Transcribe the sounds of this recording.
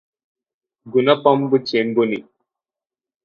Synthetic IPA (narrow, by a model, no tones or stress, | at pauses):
ɡunapambɨt͡ʃenboni